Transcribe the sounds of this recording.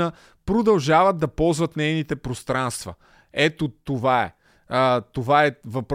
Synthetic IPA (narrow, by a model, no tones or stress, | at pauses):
ə | pɾod̪ɐlˠʒavəd̪̚d̪ɐpɔlˠzvɐt̪nɛjnit̪ɛpɾost̪ɾanst̪və̰ | ɛt̪ot̪ovaɛ̰ | ət̪ovaɛvɐpɾ